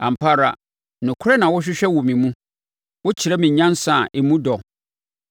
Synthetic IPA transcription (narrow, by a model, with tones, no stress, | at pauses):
ã̰˨m̩˨pʰa˦ɾa˨ | nʊ̃˨kʰʊ˦ɾɛ˦nã˨wʊ˦ɕᶣɪ˦ɕᶣɛ˦wɔ˨mĩ˨mũ˦ | wʊ˦t͡ɕʰi˨ɾɛ˦mĩ˨ɲɲã˦nsã˨ʔe˨mũ˦dɔ˨